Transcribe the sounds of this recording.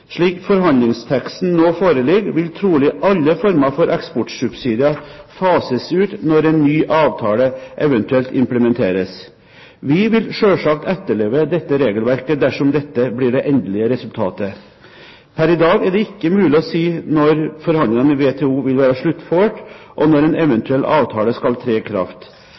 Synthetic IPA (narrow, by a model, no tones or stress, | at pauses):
ʂɭiːkfɔɾɦɑnd̪lɪŋst̪ʰɛkst̪n̩noːfoːɾəlɪɡʋɪlt̪ʰɾuːlɪʔɑlːəfɔɾmɑfɔɾʔɛkspɔʈsʉbsiːd̪ɪɑfɑːsəsʉːt̪nɔɾɛnːyːʔɑːʋt̪ʰɑːləʔɛʋɛnt̪ʉɛlt̪ɪmpləmɛnt̪ʰḛːɾəs | ʋɪʋɪlʂøːʂɑk̚t̪ɛt̪ːəɭeːʋəd̪ɛt̪ːəɾeːɡəlʋæɾkəd̪æʂɔmd̪ɛt̪ːəblɪɖɛʔɛnd̪əlɪəɾɛsʉlt̪ʰɑ̰ːt̪ə | pʰæɾɪd̪ɑːɡæɖɛɪkːəmʉːlɪɔsiːnɔɾfɔɾhɑnd̪ɪŋɑnəʋeːt̪ʰɛːuːʋɪlʋæːɾɑʂɭʉt̪ːføːʈ | ʔɔnɔɾɛnɛʋɛnt̪ʉɛlːʔɑ̰ːʋt̪ʰɑːləskɑlt̪ʰɾeːkʰɾɑ̰ft̪